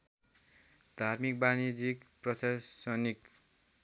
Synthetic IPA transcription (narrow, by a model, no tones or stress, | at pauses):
d̪ʱarmik̚banid͡zikprʌsassʌnik